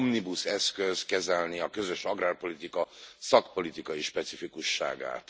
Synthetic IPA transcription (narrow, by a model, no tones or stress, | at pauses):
mnibusɛskøzkɛzɛlniɒkø̞zøʃɒɡraːrpo̞lit̪ikɒsɒkpo̞lit̪ikɒjiʃpɛt̪sifikuʃːa̰ːɡa̰ːt̪